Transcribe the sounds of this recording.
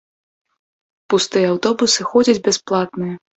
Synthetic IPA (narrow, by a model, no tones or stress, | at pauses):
pust̪ɨjɛawt̪ɔbusɨxɔd͡zʲɐd͡zʲbʲɛsplˠat̪nɨjɐ